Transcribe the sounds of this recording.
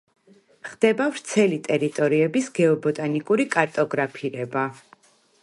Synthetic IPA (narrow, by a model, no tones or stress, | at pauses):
χd̪ɛbavɾt̪sʰɛlit̪ʼɛɾit̪ʼɔɾiɛbisɡɛɔbɔt̪ʼanikʼuɾikʼaɾt̪ʼɔɡɾapʰiɾɛba